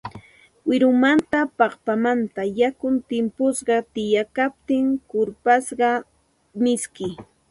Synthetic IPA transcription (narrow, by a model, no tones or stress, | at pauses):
wɪɾʊmant̪apɑχpamant̪ajakʊnt̪ɪmpʊsɢɑt̪ɪjakap̚t̪ɪŋkʊɾpasɢɑ | mɪskɪ